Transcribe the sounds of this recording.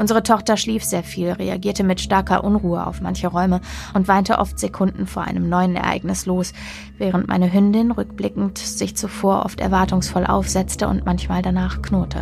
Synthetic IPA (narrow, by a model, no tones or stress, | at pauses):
ʔʊnzəʁ̞ətʰɔχtɐʃliːfz̥eːɐfiːlʁḛa̰ɡiːɐtəmɪtʃtaɐkʰɐ̰ʔʊnʁuːəa̰ʊfmançəʁɔʏməʔʊntv̥aɪntəʔɔ̰ftz̥ekʰʊndn̩foːɐʔa̰ɪnəmnɔʏənɛ̰ɐʔa̰ɪɡnɪsloːs | vɛːʁəntmʔa̰ɪnəɦʏndɪnʁʏkb̥lɪkŋ̩tz̥ɪçt͡sufoːɐʔɔ̰ftɛ̰ɐvaɐtʊŋsfɔlʔa̰ʊfz̥ɛt͡stəʊ̰ntmançmaːldanaːχknoɐtʰə̰